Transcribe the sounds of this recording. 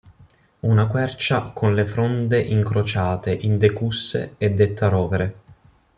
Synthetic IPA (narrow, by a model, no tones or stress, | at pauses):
unakwɛrt͡ʃakʰonlefɾɔnd̪eʔiŋkɾot͡ʃaːt̪eʔind̪ekusːḛɛd̪ːet̪ʰːaɾɔːveɾe